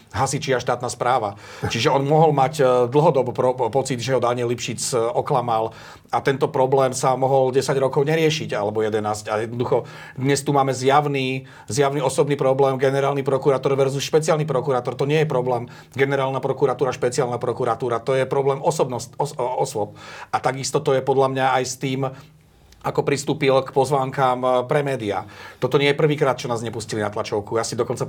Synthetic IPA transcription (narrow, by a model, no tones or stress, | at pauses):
ɦasit͡ʃiaʃt̪aːt̪naspɾaːʋa | t͡ʃiʒɛɔnmʊɔɦɔlmacd̪l̩ɦɔd̪ɔbɔpɾɔpɔt͡sid̪ʒɛɦɔd̪aɲɪɛlipʃit͡sɔklamal | at̪ɛnt̪ɔpɾɔblɛːmsamɔɦɔlɟɛsaɟɾɔkɔʊɲɛɾɪɛʃiɟa̰lɛbɔjɛd̪ɛnaːscajɛd̪nɔd̪uxɔ | d̪ɲɛst̪umaːmɛzjaʊni | zjaʊniɔsɔbniːpɾɔblɛːmɡɛnɛɾaːlnipɾɔkuɾaːt̪ɔɾʋɛɾzusʃpɛt͡sɪalnipɾɔkuɾaːt̪ɔɾt̪ɔɲɪɛjɛpɾɔblɛːm | ɡɛnɛɾaːlnapɾɔkuːɾat̪uːɾaʃpɛt͡sɪaːlnapɾɔkuɾat̪uːɾat̪ɔjɛpɾɔblɛːmɔsɔbnɔsɔɔsʊɔp̚at̪aɡist̪ɔt̪ɔjɛpɔd̪lamɲaajst̪iːm | akɔpɾist̪uːpilkpɔzʋaːŋkaːmpɾɛmɛːd̪ia̰t̪ɔt̪ɔɲɪɛjɛpr̩ʋiːkɾaːt̪̚t͡ʃɔnaːzɲɛpuscilinat̪lat͡ʃɔʊkujasid̪ɔkɔnt͡sa